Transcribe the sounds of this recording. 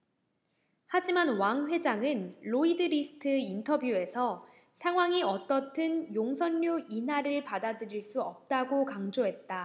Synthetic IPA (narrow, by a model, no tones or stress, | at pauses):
had͡ʑimanwaŋɸwe̞d͡ʑaŋɯnloidɯɾisʰɯ̥tʰɯintʰʌbjue̞sʰʌ | sʰaŋɦwaŋiʌt͈ʌtʰɯnjoŋsʰʌnːoinɦaɾɯɭpadadɯɾiɭs͈uʌp̚t͈aɡokaŋd͡ʑoɦe̞t̚t͈a